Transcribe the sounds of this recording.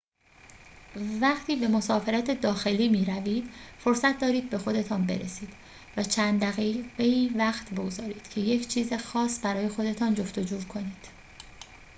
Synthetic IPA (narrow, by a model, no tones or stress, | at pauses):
væχt̪ʰiːbe̞mo̞sɒːfe̞ɾæt̪ʰe̞d̪ɒːxe̞liːmiːɾæviːd̪̥fo̞ɾsæt̪̚ʰd̪ɒːɾiːd̪̚be̞xo̞d̪e̞t̪ʰɒːnbe̞̰ɾʔesiːd̪̥ | væt͡ʃʰænd̪d̪æɣiɡeiːvæχt̪ʰbo̞ɡzɒːɾiːd̪̥cʰe̞je̞cʰt͡ʃʰiːze̞xɒːsbæɾɒːje̞xo̞d̪e̞t̪ʰɒːnd͡ʒo̞ft̪o̞d͡ʒuːkʰo̞niːd̪̥